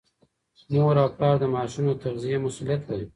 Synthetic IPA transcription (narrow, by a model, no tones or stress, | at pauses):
noɾapplɑɾd̪əmɑʃunot̪aɣzijemasulijat̪laɾi